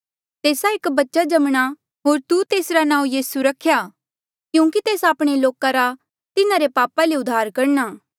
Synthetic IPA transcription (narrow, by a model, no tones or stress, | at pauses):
t̪eːsaɪkbɐtːʃad͡ʒɐmɽ̃a | ɦoːɾt̪ut̪eːsɾanãːũjiːsuɾɐkʰːjaː | kjũːkit̪eːsaːpɽ̃eloːkaɾa | t̪ɪnãɾepaːpaleʊd̪ʱːaːɾkɐɾnaː